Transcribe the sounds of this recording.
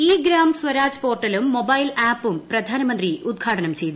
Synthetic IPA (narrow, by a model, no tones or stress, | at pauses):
iːɡɾaːmswɐɾaːd͡ʑɐ̥po̞ːrʈːɐlumːo̞bɐjlaːpːumprɐd̪ʱaːnɐmɐnd̪riud̪̚ɡʰʱaːʈɐnɐmt͡ɕe̞jt̪ːu